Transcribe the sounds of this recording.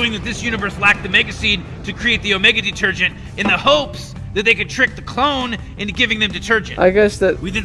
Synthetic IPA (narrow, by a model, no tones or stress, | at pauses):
ʊɪ̃ŋðɨt̪̚ðɪsjʉnɨvə˞slæk̚t̪̚ðɨmɛɡɨsĩn | tʰɨkʰɹ̥ieɪt̪̚ðioʊmɛɡɨdɨtʰɜ˞d͡ʒɨ̃nt | ɨ̃nðɨhoʊps | ðɨt̪̚ðeɪkɨd̚tʰɹ̥ɪk̚ðɨkʰl̥õʊ̃n | ɨ̃nɡɪvɪ̃ŋðɨ̃mdɨtʰɜ˞d͡ʒɨ̃naɪɡɛsðɨtwidɨdⁿ